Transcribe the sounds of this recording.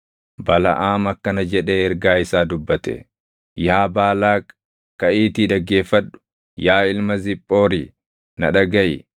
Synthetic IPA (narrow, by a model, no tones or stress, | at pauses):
bɐlɐ̰ʔaːmɐkːɐnɐd͡ʒɛᶑe̞ːɛɾɡaːɪsaːd̪ʊbːɐt̪ɛ̰ | jaːbaːlaː | kɐʔiːt̪iᶑɐɡːe̞ːfːɐᶑʊ̥ | jaːɪlmɐzɪpʼːo̞ːɾiː | nɐ̰ᶑɐɡɐʔɪ̰